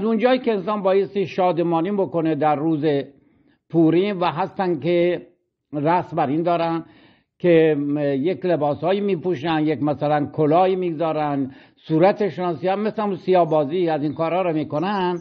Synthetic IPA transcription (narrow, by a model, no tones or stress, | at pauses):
æzund͡ʒɒːiːkeːnsɒːnbɒːjest̪iʃɒːd̪emɒːniːbokoned̪æɾːuːze | pʰuːɾiːnvæɦæst̪ænke | ɾæsbæɾiːnd̪ɒːɾæn | kʰejeklebɒːshɒːjiːmiːpuʃænd̪jekmæsælænkʰolɒːiːmiːɡzɒːɾænd̪ | suːɾæt̪ʰeʃenɑːnsiːænmeslmunsijɒːbɒːziæzinkɒːɾhɒːɾɔmiːkonænd̪